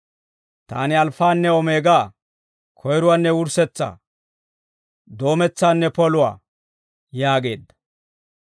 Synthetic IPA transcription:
t̪a̰ːnɪɐlfaːnːɛɔmeːɡaː | kʰɔjɾʊwanːɛwʊɾsɛt͡sːa̰ː | d̪o̞ːmɛt͡sːaːnːɛpɔlʊwa̰ː | jaːɡe̞ːd̪ːɐ̥

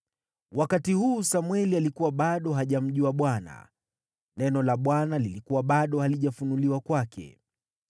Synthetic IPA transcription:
wakatihuːsamwɛlialikuwaɓaɗɔɦaʄam̩ʄuaɓwana̰ | nɛnɔlaɓwanalilikuwaɓaɗɔhaliʄafunuliwakwakʰɛ̰

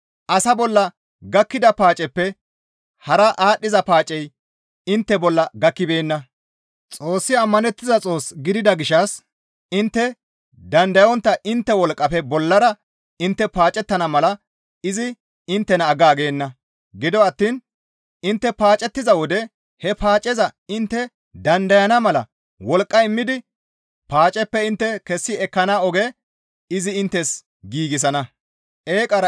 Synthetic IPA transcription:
ʔɐsɐbɔlːɐ | ɡɐkːɪd̪ɐpaːt͡ʃʼɛpːɛ | hɐɾɐʔaːɗːɪzɐpaːt͡ʃʼɛj | ɪnt̪ːɛbɔlːɐɡɐkːɪbe̞ːnːɐ | t͡sʼo̞ːsːɪɐmːɐnɛt̪ːɪzɐt͡sʼo̞ːsɡɪd̪ɪd̪ɐɡɪʃɐs | ɪnt̪ːɛ | d̪ɐnd̪ɐjɔnt̪ːɐʔɪnt̪ːɛwɔlkʼːɐpɛbɔlːɐɾɐ | ɪnt̪ːɛpaːt͡ʃʼɛt̪ːɐnɐmɐlɐ | ɪzɪ | ɪnt̪ːɛnɐːɡaːɡe̞ːnːɐ | ɡɪd̪ɔɐt̪ːiːn | ɪnt̪ːɛpaːt͡ʃʼɛt̪ːɪzɐwɔd̪ɛ | hɛpaːt͡ʃʼɛzɐɪnt̪ːɛ | d̪ɐnd̪ɐjɐnɐmɐlɐ̰ | wɔlkʼːɐɪmːɪd̪ɪ | paːt͡ʃʼɛpːɛɪnt̪ːɛkɛsːɪɛkːɐnaːɔɡɛ | ɪzɪɪnt̪ːɛs | ɡiːɡɪs̬ɐnɐ | ʔeːkʼɐɾɐ

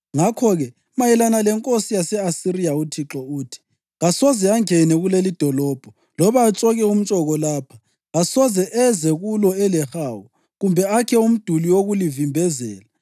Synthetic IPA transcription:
ŋakʰɔɣɛ | majɛlanalɛŋkʼosijasɛasirijautʰiǁɔuːtʰi̥ | ɣasɔzɛaŋɛnɛɣulelid̥ʱɔlɔːb̥ʱɔ | lɔβaːt͡ʃʼɔɣɛum̩t͡ʃʼɔɣɔlaːpʰḁ | ɣasɔzɛʔɛzɛɣulɔɛlɛxaːwu | ɣumbʱɛakʰɛum̩d̥ʱuliwoɣulivimbʱɛzɛ̰ːla

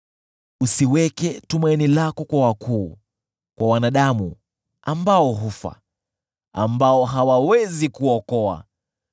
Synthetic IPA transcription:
usiwɛkɛtumainilakɔkwawakuː | kwʔawanaɗamu | ambaɔɦufa̰ | a̰mbaɔɦawawɛzikuɔkɔa̰

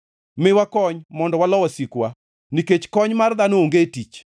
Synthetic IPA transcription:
mɪwakɔɲmɔndɔwalɔwasikwa | niket͡ʃkɔɲmarðanooŋɡetit͡ʃ

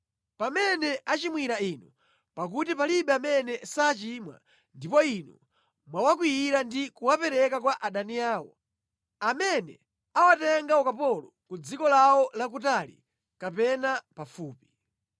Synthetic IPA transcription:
pamɛnɛʔat͡ʃimwiɾainu | pak̬utipaliɓɛamɛnɛsaːt͡ʃimwa̰ | ndipɔinu | mwawak̬wijiɾandikuwapɛɾɛkakwaʔaɗaniaːwɔ̰ | amɛnɛ̰ | awatɛŋɡaɔkapɔlɔkud͡zikɔlawɔlakutalḭ | kapɛnapafuːpi̥

